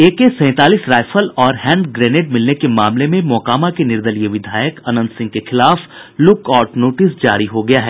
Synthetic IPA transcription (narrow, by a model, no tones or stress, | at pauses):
eːkesɛ̃ːt̪aːliːsɾaːjfəlɔːɾɦɛ̃ːɳɖɡɾɛːneʈ̚mɪlnekemaːmlemẽmɔːkaːmakenɪɾd̪əlijəʋɪd̪ʱaːjəkɐnə̃nd̪sɪ̃ŋɡkexɪlaːflʊkɔːʈnoːʈɪsd͡ʒa̰ːɾiɦoɡɐjaɦɛː